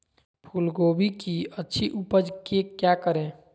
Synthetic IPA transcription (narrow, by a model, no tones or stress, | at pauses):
pʰulɡobikiətːʃʰiʔupəd͡ʒkekjakəɾẽ